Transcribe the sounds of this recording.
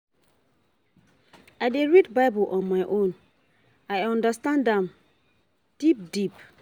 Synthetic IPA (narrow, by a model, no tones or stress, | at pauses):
ajdeɹidbaɪbulʔɔ̃nmaɪʔõn | ajɔ̃ndəstãndɛ̃m | d̥ip̚dip